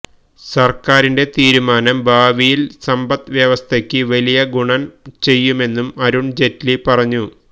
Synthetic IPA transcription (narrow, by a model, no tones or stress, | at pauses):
sɐrkaːɾinde̞t̪iːɾumaːnɐmbʱaːʋijilsɐmbɐt̪ʋjeʋɐst̪ʰekʲːɨʋɐlijɐɡuɳɐmt͡ɕe̞jːume̞nːumɐɾuɳd͡ʑe̞tlipɐrɐɲːu